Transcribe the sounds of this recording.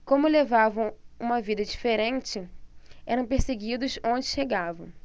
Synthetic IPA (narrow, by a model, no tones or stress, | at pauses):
kõmʊlevavɐ̃w̃ũmɐvid̪ɐd͡ʒifeɾẽnt͡ʃɪɛɾɐ̃w̃peɾseɡid̪ʊzõnd͡ʒɪʃeɡavɐ̃w̃